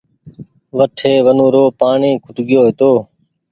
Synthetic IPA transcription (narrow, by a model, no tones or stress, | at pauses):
ʋəʈʰeːʋənõːɾoːpaːɳiːkʰʊʈɠɪjoːɦɪt̪oː